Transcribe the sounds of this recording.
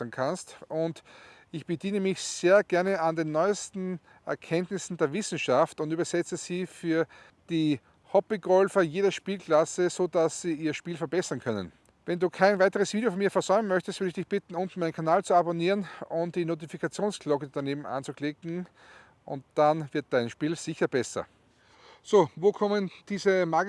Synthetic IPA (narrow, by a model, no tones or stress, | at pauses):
ɐnkʰanstʔʊnt | ɪçb̥ədiːnəmɪçseːɐɡ̥ɛɐnəandenːɔʏstn̩ | ʔɛɐkʰɛntnɪsn̩deːɐvɪsn̩ʃaftʊntyːbɐsɛt͡səz̥iːfyːɐ | d̥iː | hɔbiɡɔlfɐjeːɾɐʃpiːlkʰl̥asəzodasːiːiːɐʃpiːlfɛɐbɛsɐnkʰœnə̰n | vɛnduːkʰaɪnvaɪtəʁəsv̥iːdjofɔnmiːɐfɛɐzɔʏmənmœçtəstvʏɪdɪçd̥ɪçb̥ɪtn̩ʊ̃ntn̩maɪnənkʰanaːlt͡suaboniːʁənʊ̃nt̚d̥iːnoːt̬ifikat͡sjoːnskʰlɔkəd̥aneːbm̩ʔa̰nt͡suklɪkŋ̩ | ʔʊ̰̃nt̚d̥anvɪɐt̚d̥aɪnʃpiːlzɪçɐb̥ɛsɐ̰ | soːvoːkʰɔmənd̥iːzəmaːɡ